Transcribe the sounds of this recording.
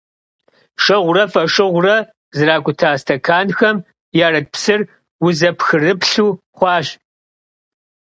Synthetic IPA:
ʂɐʁʷʊrɐfɐʂɨʁʷʊrɐ | zɨraːɡʷʼʊtʰaːstʰɐkʰaːnxɐm | jaːɾɐt̚psɨr | wʊzɐpxɨrɨpɬuː | χʷɑːɕ

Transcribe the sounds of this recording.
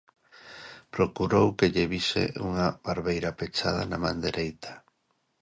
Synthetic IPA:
pɾokuɾowkeʎeβisḛʔuŋaβaɾβejɾapet͡ʃað̞a̰namã̰nd̪eɾʔejt̪ḁ

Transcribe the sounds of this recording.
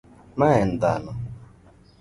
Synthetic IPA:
maɛn̩d̪a̰nɔ

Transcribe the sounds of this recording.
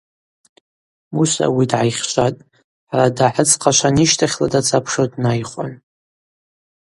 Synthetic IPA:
musa̰widʕajχʲʃʷʼatʼ | ħaɾadaħət͡sʰqʰaʃʷaniʃtʰaχʲladat͡sʰapʰʂodʼnajχʷʼa̰n

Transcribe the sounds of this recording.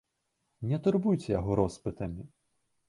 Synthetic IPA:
nʲɛt̪urbujt͡sʲɛjaɦɔɾɔspɨt̪ɐmʲi

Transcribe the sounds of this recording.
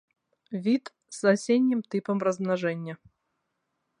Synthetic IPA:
vʲit̪ | sasʲedʲːɪmt̪ɨpɐmrɐzmnaʐɛnʲːɐ

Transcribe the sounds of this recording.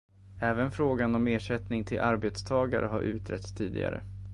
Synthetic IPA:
ɛːvənfɾoːɡanɔmeːʂɛt̪nɪŋt̪ʰɪlʔaɾbeːt̪st̪ʰɑːɡaɾə̰ɦaɾʔʉ̟ːt̪ʰɾɛt̪st̪ʰiːd̪ɪ̰ɡa̰ɾə̰

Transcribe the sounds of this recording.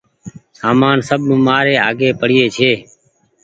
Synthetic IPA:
saːmaːnsəɓəmaːɾeːaːɠeːpəɽɪːeːt͡ʃʰeː

